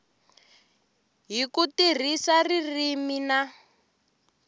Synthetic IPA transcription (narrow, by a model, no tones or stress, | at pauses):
ɦikutir̤isaririmina